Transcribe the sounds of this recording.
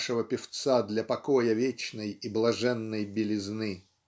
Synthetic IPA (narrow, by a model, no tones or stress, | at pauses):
ʂəvəpʲɪft̪sad̪lʲɐpɐkojəvʲet͡ɕnəjiblˠɐʐɛnːəjbʲɪlʲɪznɨ